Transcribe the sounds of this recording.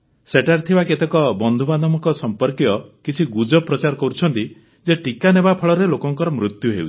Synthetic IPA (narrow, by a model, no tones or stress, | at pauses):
seʈaɾt̪ʰibaket̪ekɔbɔnd̪ʱubanɔmɔkɔsɔmpɔɾkjɔkit͡ʃʰiɡud͡ʒɔpɾɔt͡ʃaɾɔkɔɾut͡ʃʰɔnt̪i | d͡ʒeʈikanebapʰɔɭɔɾelokɔŋkɔɾɔmɾut̪juɦeuwt͡ʃʰi̥